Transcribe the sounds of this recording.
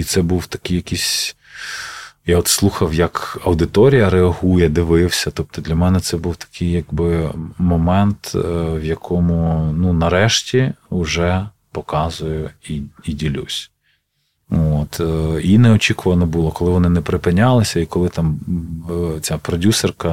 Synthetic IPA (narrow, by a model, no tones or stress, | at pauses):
it̪sɛbuwt̪ɐ̥kɪjɐkisʲ | jaɔt̪slˠuxɐwjɐkɐwd̪ɪt̪ɔɾʲijɐɾeɐɦujɛd̪ɪʋɪwsʲɐt̪ɔp̚t̪ɔd̪lʲɐmɛnɛt̪sɛbuwt̪ɐ̥kʰɪjːɐɡbɪmɔmɛnt̪wjɐkʰɔmʊnunɐɾɛʃtʲiʊʒɛ | pɔkɑzʊjʊiidʲilʲṵsʲ | ot̪inɛɔt͡ʃʲikʊʋɐnɔbulˠɔkɔlˠɪʋɔnɪnɛpɾɪpɪnʲːɑlˠɪsʲɐikɔlˠɪt̪ɑm | t͡sʲapɾɔdʲusɛrkɐ